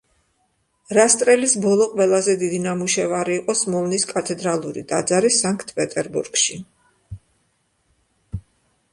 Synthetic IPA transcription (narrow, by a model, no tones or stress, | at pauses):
ɾast̪ʼɾɛlisbɔlˠɔqʼwɛlˠazɛd̪id̪inamuʃɛvaɾiːqʼɔsmɔvniskʼat̪ʰɛd̪ɾalˠuɾḭd̪̥ad̪zaɾisaŋkʰt̪ʰpʼɛt̪ʼɛɾbṵɾɡ̥ʃi